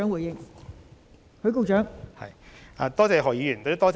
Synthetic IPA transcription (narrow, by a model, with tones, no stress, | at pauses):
œ˨˥ŋwu˨˩jɪ˧ŋ | hɵ˧ɥko˧wt͡ʃœː˨˥ŋhɐ̰˨jʔaː˧t̪ɔː˥t͡sɛː˨˧ɦɔː˨jiː˨˥jyː˨˩nt̪o˧˥t̪ɔː˥t͡s